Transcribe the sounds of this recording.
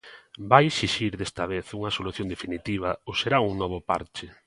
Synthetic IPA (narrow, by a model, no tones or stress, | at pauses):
bajesiʃiɾðest̪ɐβ̞eθuŋɐsoluθjond̪efinit̪iβ̞ɐoseɾauŋnɔβʊpa̰ɾt͡ʃɪ